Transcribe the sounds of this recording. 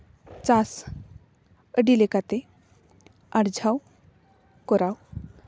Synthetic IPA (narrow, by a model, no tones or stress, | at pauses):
t͡sas | əɖilekat̪e | aɾd͡ʑʱaw | kɔɾaw